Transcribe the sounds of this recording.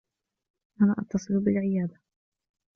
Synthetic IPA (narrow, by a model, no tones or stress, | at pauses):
ʔana̰ːʔɑt̪ːɑsˤɨlbɪlʕɪjaːd̪a